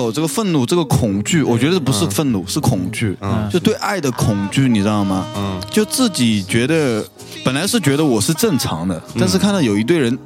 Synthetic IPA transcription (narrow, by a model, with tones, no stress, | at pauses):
o˨˩ʊʈ͡ʂɤ˥˩ɡə˩fə˥˧nnu˥˩ʈ͡ʂɤ˥˩ɡə˩kʰʊ˨˩ŋt͡ɕy˥˩wɔ˨˩t͡ɕɥɛ˧˥d̪ə˧pu˧˥ʂɻ̩˥˧fə˥˧nnu˥˩ʂɻ̩˥˩kʰʊ˨˩ŋt͡ɕy˥˩jo˥˧ʊ˥t̪we˥˧ɪʔa˥˩ɪd̪ə˩kʰʊ˨˩ŋt͡ɕy˥˩ni˨˩ʈ͡ʂɻ̩˥d̪ɑ˥˩ʊmɐ˩t͡ɕjo˥˧ʊt͡sɹ̩˥˩t͡ɕi˨˩t͡ɕɥɛ˧˥d̪ə˧ | pə˨˩nla˧˥ɪʂɻ̩˥˩t͡ɕɥɛ˧˥ɾə˧wɔ˨˩ʂɻ̩˥˧ʈ͡ʂə˥˩ŋʈ͡ʂʰɑ̰˧˥ŋd̪ə˧t̪a˥˧nʂ̬ɻ̩˥˧kʰa˥˩nd̪ɑ˥˩jo˨˩ʊi˧˥t̪we˥˩ɪɻə˧˥n